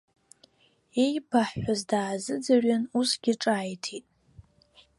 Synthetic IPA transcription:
ejbaħʷazdaːzɨd͡zarɥanusɡ̥ʲɪʈ͡ʂʼaːjtʰitʼ

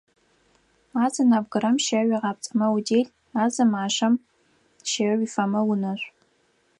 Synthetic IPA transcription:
aːzɐnaːbɡɨɾɐmʃɐʒʷiʁɑːp̚t͡sʼɐmɐwdeːɮ | aːzɐmaːʂɐm | ʃeɥʷifɐmɐwʊnɐɕʷʼ

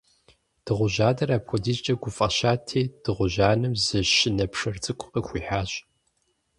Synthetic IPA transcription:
d̥ɨʁʷʊʑaːdɐraːpxʷɔdizt͡ʃʼɐɡʷʊfʼɐʃaːtʰeːd̥ɨʁʷʊʑaːnɨmzɨʃɪnɐpʰʂɐrt͡sʼɨkʷʼʊpʼɐxʷiːħaːɕʼ

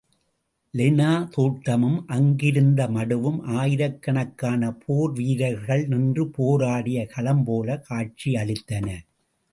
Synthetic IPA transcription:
lɪnaːt̪uːʈːɐmɯmʔɐŋɡɪɾɯnd̪ɐmɐɽɯʋɯmʔaːjɪɾɐkːɐɳɐkːaːnɐpʰoːɾʋiːɾɐɪɣɐɭnɪndrɯpoːɾaːɽɪjɐkʰɐlɐmpoːlɐkʰaːt͡ʃiɐɭɪt̪ːɐnɐ

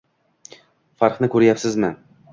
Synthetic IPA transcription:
faɾχnɪkʰɵɾjapsɪzmɪ

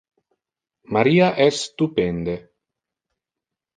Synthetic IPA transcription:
maɾiːaʔɛsːt̪upend̪e

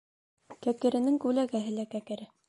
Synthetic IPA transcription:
kækɘ̆ɾɘ̆nɘŋkʉlæɡæɦɘlækækɘ̆ɾɘ

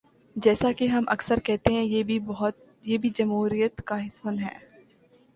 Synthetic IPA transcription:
d͡ʒɛːsakiɦɐmʔɐ̰ksəɾkɛɦt̪eɦɛ̃jebɦt̪̚ | jeːbʱid͡ʒɐmɦuːɾijət̪kaɦɪsənɦɛ̰ː

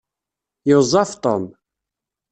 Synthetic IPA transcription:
jəzˤːɑft̪ˤom

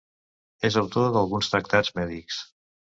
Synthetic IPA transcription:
ezəwt̪oðəlˠɣunst̪ɾək̚t̪azmɛðiks

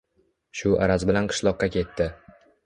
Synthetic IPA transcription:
ʃʊʔa̰ɾazbɪlanqʰɨ̥ʃlˠɒqːɑkʲʰe̞t̪ʰːɪ

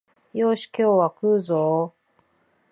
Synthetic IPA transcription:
jo̞ːɕi̥kʲoːβakɯ̟ːzoː

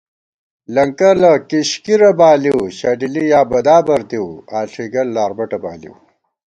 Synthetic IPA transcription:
lɐŋkɐlɐkiɕkiɾɐbaːliwɕaɖilijaːbɐd̪aːbɐɾt̪iwaːɬʰiɡɐlːaːɾbɐʈɐba̰ːlḭw

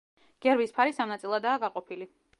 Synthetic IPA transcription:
ɡ̥ɛɾbispʰaɾisamnat̪sʼilˠad̪aːɡaqʼɔpʰili

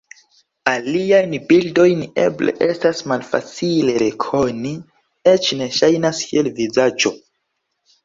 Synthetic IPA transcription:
aliajnbildo̞jne̞̰ble̞̰ʔe̞stasmalfa̰t͡sile̞ɾe̞kʰo̞ni | e̞t͡ʃne̞ʃajnaskielvizad͡ʒo̞

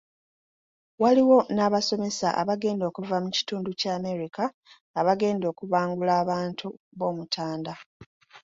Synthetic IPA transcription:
waliwo̞naːβaso̞me̞sa̰ʔa̰βaɡe̞ːndo̞kuvamuci̥tuːnducaːme̞ɾikaː | βaɡe̞ːndo̞ːkuβaːŋɡulaːβaːntʰu | βo̞ːmutʰaːnda

